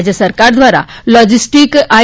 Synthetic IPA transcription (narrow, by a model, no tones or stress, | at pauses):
d͡ʑjəsəɾkaɾd̪ʋaɾa̰lɔd͡ʑisʈika